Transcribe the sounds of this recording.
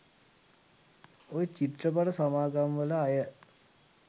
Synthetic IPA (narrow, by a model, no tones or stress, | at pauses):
ojt͡ɕit̪rəpaɾəsamaːɡamʋəlɐːjə